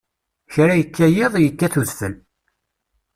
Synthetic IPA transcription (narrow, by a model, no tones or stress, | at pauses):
çɾæjəkːæjɪðˤjəkːæθuzθəl